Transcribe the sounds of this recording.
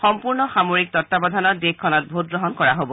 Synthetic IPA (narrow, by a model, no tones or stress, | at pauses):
xɔmpuɹnɔxamoɹik̚tɔtːabɔd̪ʱanɔdekʰːɔnɔt̚bʱot̚ɡɹɔɦɔnkɔɹaɦobɔ